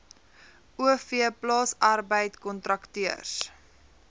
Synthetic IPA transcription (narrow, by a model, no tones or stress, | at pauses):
uəfiəplɑːsɐrbəjtkɔntɾɐktiərs